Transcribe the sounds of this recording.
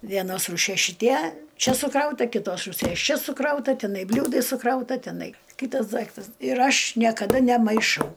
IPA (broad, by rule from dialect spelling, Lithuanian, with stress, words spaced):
ʋʲiɛˈnoːs ruːˈʃʲiɛs ʃʲɪˈtʲiɛ ˈt͡ʃʲɛ sʊˈkrɐʊtɐ kʲɪˈtoːs ruːˈsʲiɛs ˈt͡ʃʲɛ sʊˈkrɐʊtɐ tʲɪˈnɐɪ ˈbʲlʲuːdɐɪ sʊˈkrɐʊtɐ tʲɪˈnɐɪ ˈkʲiːtɐs ˈdɐɪktɐs ɪr ˈɐʃ nʲiɛkɐˈdɐ nʲɛmɐɪˈʃɐʊ